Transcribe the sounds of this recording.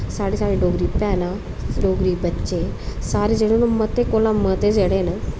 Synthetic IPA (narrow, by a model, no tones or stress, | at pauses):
saːɽeːsaːɽeɖoːɡɾiːpɛːnã | ɖoːɡɾiːbətːt͡ʃesaːɾed͡ʒeːɽonomət̪ekoːlãmət̪ed͡ʒeːɽeːnə